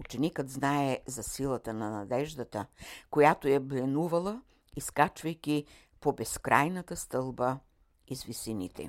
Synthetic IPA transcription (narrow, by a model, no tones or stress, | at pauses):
ut͡ʃɛnikəd̪znaɛzɐsilˠət̪ənɐnɐd̪ɛʒd̪ət̪əkojat̪ojɛblɛnuvɐlˠə | iskat͡ʃvɐjkʲi | pobɛskɾajnɐt̪əst̪ɤlˠbə | izvisinḭt̪ɛ̰